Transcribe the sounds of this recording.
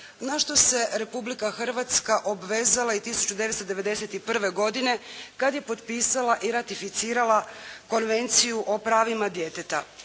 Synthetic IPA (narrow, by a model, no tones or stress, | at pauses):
naʃt̪o̞se̞ɾe̞publikaxr̩ʋat̪skaʔo̞bʋe̞ːzalait̪isu̥t͡ɕud̪e̞ʋest̪od̪e̞ʋe̞d̪e̞se̞t̪ipr̩ʋe̞ɡo̞d̪ine̞kad̪je̞po̞t̪piːsalaʔiɾat̪ifit̪siːɾalako̞nʋe̞nt̪sijuʔo̞pɾaːʋimad̪je̞t̪et̪a̰